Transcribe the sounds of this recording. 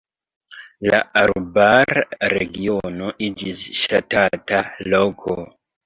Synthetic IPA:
la̰aɾbaɾɾeɡiono̞ʔid͡ʒisʃatatalokʰo̰

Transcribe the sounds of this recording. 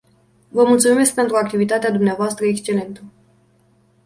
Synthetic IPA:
vəmult̪sumime̞sk̚pe̞nt̪ɾuak̚t̪ivit̪at̪ead̪umneavoast̪ɾəekst͡ʃe̞le̞nt̪ə

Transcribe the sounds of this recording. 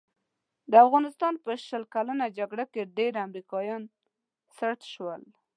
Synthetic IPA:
d̪əafɣɑnɪst̪ɑnpəʃəlkalanad͡ʒaɡɽakeɖeɾamɾikɑjɑn | saɾt̪ʃwəl

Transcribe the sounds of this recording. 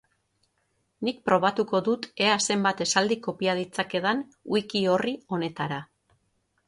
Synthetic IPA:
nik̚pɾo̞β̞at̪uko̞ðut̪e̞ase̞mbat̪e̞sald̪iko̞piaðit͡sake̞ðanuikio̞rio̞ne̞t̪aɾa

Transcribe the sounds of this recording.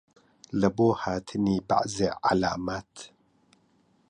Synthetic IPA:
ləboːhaːt̪ʰɨniːba̰ʔzeʕa̰la̰ːmaːt̪

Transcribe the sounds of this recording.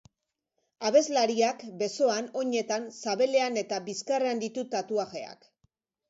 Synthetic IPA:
aβe̞zlaɾiakbe̞so̞ano̞ɲe̞t̪ansaβe̞le̞ane̞t̪abiskareand̪it̪ut̪at̪uaɣe̞a̰k

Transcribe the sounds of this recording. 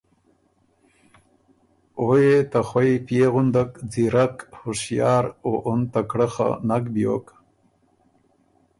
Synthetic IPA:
ojet̪axwajpjeɣʊnd̪akd͡ziɾakhʊʂjɑːɾoʔʊnt̪akɽəχa̰nakbjo̰k

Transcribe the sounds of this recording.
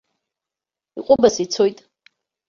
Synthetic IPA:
iqʷʼʊbasit͡sʰo̞jtʼ

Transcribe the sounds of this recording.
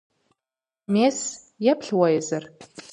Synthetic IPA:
meːs | jɛpʰɬwɐjɛzɐr

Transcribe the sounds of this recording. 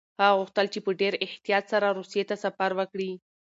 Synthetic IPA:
haɣʊxt̪əlt͡ʃepəɖeɾɪht̪ijɑt̪saɾaɾusijet̪asafaɾwəkɽi

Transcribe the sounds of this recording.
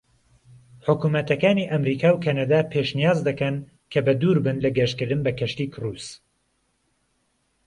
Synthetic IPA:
ħʊkumɐt̪ʰɐkaːniʔɐmɾiːkʰaːwkʰanad̪aːpʰeːʃnijaːzd̪ɐkɐn | kʰɐbɐd̪uːɾbɨnlɐɡɐʃkɨɾd̪ɨnbɐkʰɐʃt̪iːkʰruːs

